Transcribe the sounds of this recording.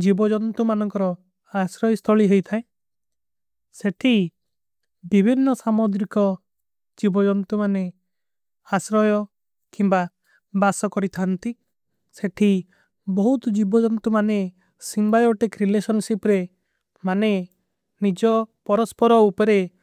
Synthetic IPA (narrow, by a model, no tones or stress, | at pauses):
d͡ʒibɔd͡ʒɔnt̪umanɔŋkɔɾɔ | asɾɔjst̪ʰɔɭiɦejt̪ʰaẽ | seʈʰi | bibʱinːɔsamod̪ɾikɔ | d͡ʒibɔd͡ʒɔnt̪umane | asɾɔjɔ | kimba | basɔkɔɾit̪ʰant̪i | seʈʰi | bɔɦut̪d͡ʒibɔd͡ʒɔnt̪umane | simbajɔʈekɾilesɔnsipɾe | mane | nid͡ʒɔpɔɾɔspɔɾɔupɔɾe